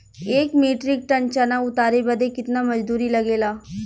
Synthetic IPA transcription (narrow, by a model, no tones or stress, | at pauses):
eːkmeːʈɾɪk̚ʈɐnt͡ʃanaʊt̪aːɾebɐd̪ekɪt̪namɐd͡ʒd̪uːɾilɐɡeːlaː